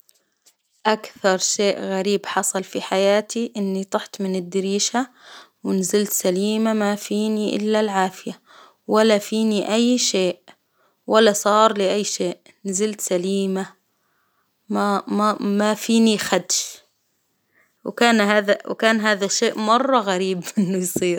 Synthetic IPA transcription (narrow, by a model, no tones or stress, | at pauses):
ʔakθɑɾˤʃeːʔɣaɾiːbħɑsˤɑlfiħajaːt̪iʔɪnːit̪ˤʊħt̪mɪnɪd̪ːɪɾiːʃa | wɪnzɪlt̪saliːmamafiːniʔɪ̰lːalʕaːfɪja | walːafiːniʔajːʃeːʔ | walːasˤɑːɾˤlɪʔajːʃeːʔ | nzɪlt̪saliːma | mamamafiːnixad̪ʃ | wkaːnɦaːðawkaːnɦaːðaʃːeːʔmɑrˤːɑɣaɾiːbʔɪnːʊjsˤiːɾ